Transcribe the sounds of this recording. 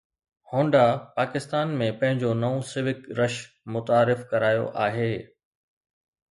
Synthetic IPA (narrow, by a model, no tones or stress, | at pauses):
hõːɳɖapaːkɪst̪aːnmẽpɐ̃ɦɪ̃ɲd͡ʑonɐõsɪʋɪkɾɐʃ | mʊt̪aːɾɪfkɐɾaːjo̰ʔaːɦeː